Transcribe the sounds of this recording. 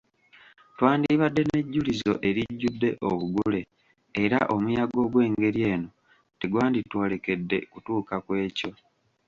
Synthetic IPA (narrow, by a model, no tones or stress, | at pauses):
twaːndiβadːe̞ne̞ɟːulizo̞ʔe̞ɾiɟːudːe̞ʔoβuɡule̞ː | ɾaʔo̞mujaɡo̞ɡwe̞ːŋɡe̞ɾje̞ːno̞ | teɡwaːnditwo̞ːle̞ke̞dːe̞kutuːkakwe̞ːco̞